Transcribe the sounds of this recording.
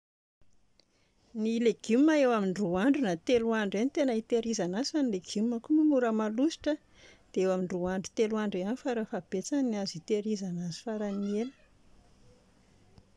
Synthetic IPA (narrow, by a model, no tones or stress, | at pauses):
nileɡ̥umːaewamiɳɖ͡ʐuaɳɖ͡ʐunat̪eluaɳɖ͡ʐenit̪enəit̪eɾizanazanileɡ̥umːəkumimuɾəmalusi̥ʈ͡ʂə | d̪̥eewamiɳɖ͡ʐuaɳɖ͡ʐu̥t̪eluaɳɖ͡ʐeanifaɾafab̥et͡saniniazit̪eɾizanazu̥faɾanieli̥